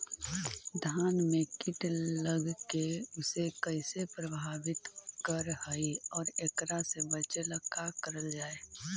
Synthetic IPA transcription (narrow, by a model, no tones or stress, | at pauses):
d̪ʱaːnmẽkɪʈləɡkeʊsekəɪsepɾəbʱaːʋɪt̪kəɾhaiɔːɾekɾasebət͡ʃləkakəɾəld͡ʒaːeː